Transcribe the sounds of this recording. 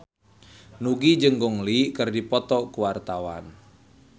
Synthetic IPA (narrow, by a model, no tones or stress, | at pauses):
nuɡid͡ʒəŋɡɔŋlikərdipɔt̪ɔkuwart̪awa̰n